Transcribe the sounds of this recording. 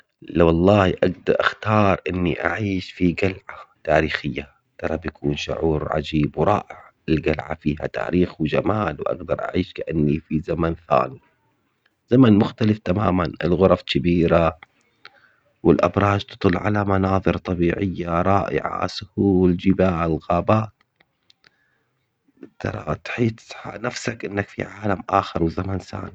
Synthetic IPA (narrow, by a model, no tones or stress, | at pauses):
lawɑlˤːɑːhiʔaɡd̪ɑɾˤʔaxt̪ɑːɾˤʔɪnːiʔa̰ʕiːʃfiɡalʕat̪aːɾiːxɪjːa | t̪ɑɾˤɑbjakʰuːnʃʊ̰ʕuːɾʕa̰d͡ʒiːbwɾˤɑːʔɪʕ | ɪlɡalʕa̰fiːha̰t̪a̰ːɾiːxwd͡ʒamaːlwʔa̰ɡd̪ɑɾˤʔa̰ʕiːʃkaʔanːifizamanθa̰ːni | z̥amanmʊxt̪alɪft̪amaːmanɪ̰lɣʊɾˤɑfkɪbiːɾa | wɪlʔa̰bɾˤɑːd͡ʒt̪ɨ̥t̪ˤɨlːʕalamanɑːðˤɨɾt̪ˤɑbiːʕɪjːaɾˤɑːʔɪ̰ʕa̰sʊhuːld͡ʒɪbaːɪlɣaːbaːt̪ | t̪ːɑ̰ɾˤɑ̰t̪ħiːt̪ħa̰nafsakʔɪnːakfḭʕaːlamʔaːxɑɾˤwzamansa̰ːni